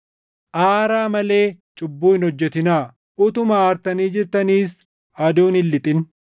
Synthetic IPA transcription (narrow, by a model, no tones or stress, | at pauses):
ʔaːɾaːmɐle̞ːt͡ʃʼʊbːuːhɪnhɔd͡ʒːɛt̪ɪnaː | ʊt̪ʊmaːɾt̪ɐniːd͡ʒɪɾt̪ɐniːs | ɐd̪oːnɪlːɪt̪ʼɪn